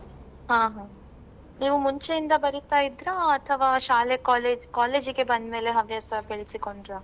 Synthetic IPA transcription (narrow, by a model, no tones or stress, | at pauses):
ɦãːɦãː | niːʋumuɲt͡ʃejind̪ɐbɐɾit̪aːjid̪ɾɐɐt̪ʰɐʋaːʃaːlekaːleːd͡ʒkaːleːd͡ʒiɡe̞bɐnd̪me̞ːle̞ɦɐʋjɐsɐkeɭisikoɳɖɾa